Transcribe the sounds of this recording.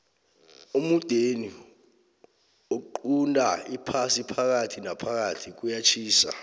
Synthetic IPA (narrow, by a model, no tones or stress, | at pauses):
umud̥ʱeni | oǃundʼaipʰasipʰak̬atʰinapʰak̬atʰik̬ujat͡ʃʰiːsa̰